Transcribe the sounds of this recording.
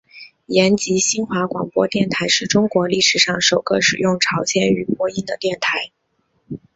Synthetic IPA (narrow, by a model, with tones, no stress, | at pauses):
jɛ˧˥nt͡ɕi˧˥ɕi˥nxwa˧˥kwɑ̰˨˩ŋpwɔ̰˥t̪jɛ˥˩nt̪ʰa˧˥ɪʂɻ̩˥˩ʈ͡ʂʊ˥ŋkwɔ˧˥li˥˩ʂɻ̩˨˩ʂɑ˥˩ŋʂo˨˩ʊɡ̥ə˦ʂɻ̩˨˩jʊ˥˩ŋʈ͡ʂʰɑ˧˥ʊɕʰjɛ˥ny˨˩pwɔ˥i˥nd̪ə˨t̪jɛ˥˩nt̪ʰa˧˥ɪ